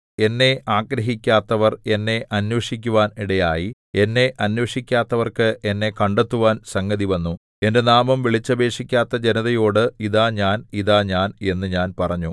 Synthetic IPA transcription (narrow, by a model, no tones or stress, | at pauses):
e̞nːe̞ʔaːɡɾɐɦikʲːaːt̪ːɐʋɐre̞nːe̞ʔɐnwɐʂikʲːuʋaːniɽɐjaːji | e̞nːe̞ʔɐnwɐʂikʲːaːt̪ːɐʋɐrkɨʔe̞nːe̞kɐɳɖet̪ːuʋaːnsɐŋɡɐðiʋɐnːu | e̞nde̞naːmɐmʋiɭit͡ɕːɐbe̞ːʂikʲːaːt̪ːɐd͡ʑe̞nɐðɐjo̞ːɽɨiðaːɲaːniðaːɲaːne̞nːɨɲaːnpɐrɐɲːu